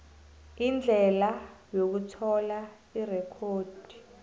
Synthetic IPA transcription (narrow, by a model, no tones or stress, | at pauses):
ind͡ɮʱɛlajok̬utʰɔla | irɛkʰoːd̥ʱi̥